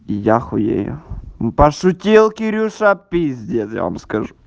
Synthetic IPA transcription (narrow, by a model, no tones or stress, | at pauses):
jaxʊjḛjʊ̰pɐʂʊtʲilˠkʲɪɾʲuʂɐpʲizʲdʲet̪ja̰ʋa̰mskɐʐu